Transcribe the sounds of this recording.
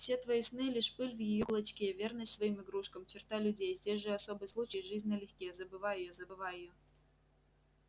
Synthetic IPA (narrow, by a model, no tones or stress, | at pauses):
fsʲe̞t̪vɐisnɨjlʲiʂpɨlʲvjɪjoklˠɐt͡ɕkʲevʲernəsʲt̪ʲsvɐimɨɡɾuʂkəmt͡ɕɪrt̪alʲʉdʲejzʲdʲesʲʐɨɐso̞bɨjslˠut͡ɕəjʐɨzʲnʲəlʲɪxʲkʲejəzəbɨvajɪjozəbɨvajɪjo